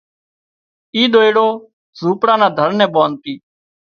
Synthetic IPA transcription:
iːd̪oːeːɽoː | zuːpɽãːnãːd̪ʱəɾnɛ̃ːɓoːnt̪iː

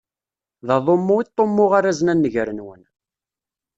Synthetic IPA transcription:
ðɑðˤomːʊit̪ˤːomːʊʁaɾazənænːəʝɾənwə̰n

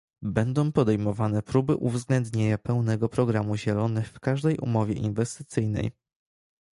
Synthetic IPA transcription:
bɛnd̪ɔ̃w̃pɔd̪ɛjmɔvanɛpɾubɘʔuvzɡlɛnd̪ɲeɲapɛwnɛɡɔpɾɔɡɾamuʑɛlɔnɘxfkaʐd̪ɛjʔṵmɔvʲɛ̰ʔinvɛst̪ɘ̥t̪sɘjnɛ̰j

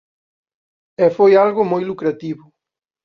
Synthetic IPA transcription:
ɛfojalɣʊmojlukɾat̪iβʊ

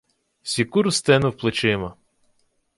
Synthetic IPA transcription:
sʲikuɾʊst̪ɛnʊwplˠɪt͡ʃɪmɐ

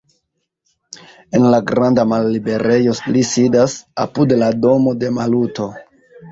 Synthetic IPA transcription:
e̞nlaɡɾandamalːibe̞ɾe̞jo̞lisidasa̰pudlado̞mo̞de̞maluto̞

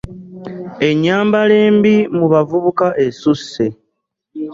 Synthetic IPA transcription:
e̞ɲːaːmbale̞ːmbimuβavuβukaʔe̞susːe

